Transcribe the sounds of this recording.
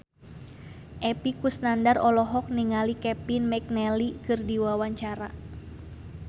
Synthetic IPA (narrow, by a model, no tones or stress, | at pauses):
ʔɛpikusnandarɔlɔɦɔk̚niŋalikɛpinmɛk̚nɛlikɨrdiwawaɲt͡ʃaɾa̰